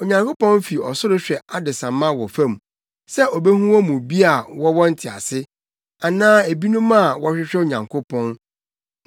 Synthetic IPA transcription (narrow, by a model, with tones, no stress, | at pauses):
o˨ɲã˨ŋkʰo˦pɔ̃˦n˦fi˨ɔ˨sʊ˦ɾʊ˦ɕᶣɛ˨a˦dɪ˨sã˨mːã˦wɔ˨fã˦m˨ | sɛ˦o˨be˦hũ˦wɔ˦mũ˨bi˦a˨wɔ˦wɔ˦n̩˦tʰɪ˨a̰˨sɪ˦ | a˨nãː˦e˨bi˦nũ˦mã˦a˨wɔ˦ɕᶣɪ˦ɕᶣɛ˦o˨ɲã˨ŋkʰʊ˦pʰɔ̃˦n